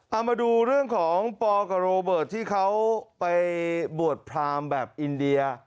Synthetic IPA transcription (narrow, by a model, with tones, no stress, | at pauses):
ʔa˧wmaː˧duː˧ɾɯ˥˩əŋkʰɔː˩˦ŋpɔː˧ka˨˩ɾoː˧bɤː˨˩t̪ʰːiː˥˩kʰa˦˥wpa˧jbu˨˩ət̪̚pʰɾaː˧mbɛː˨˩p̚ʔi˧ndi˧ɐ